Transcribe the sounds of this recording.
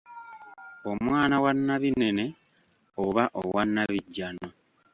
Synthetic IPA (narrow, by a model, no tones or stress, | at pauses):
o̞mwaːnawanːaβine̞ne̞ | oβaʔowanːaβiɟːano